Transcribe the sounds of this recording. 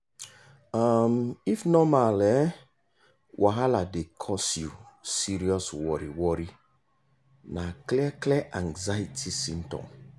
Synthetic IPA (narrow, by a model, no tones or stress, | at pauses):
amifnɔmalɛ | wʔaɦaladekʰɔsjṵsiɾiɔswɔɾiwɔɾi | naklɛklɛʔãŋzaitʰisĩmtɔ̰̃m